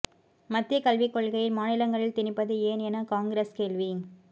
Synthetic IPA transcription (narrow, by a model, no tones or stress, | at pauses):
mɐt̪ːɪjɐkɐlʋɪkːɔɭɣɐjɪlmaːnɪlɐŋɡɐɭɪlt̪ɪnɪpːɐðɯeːnɛnɐkaːŋɡɾeːskeːɭʋi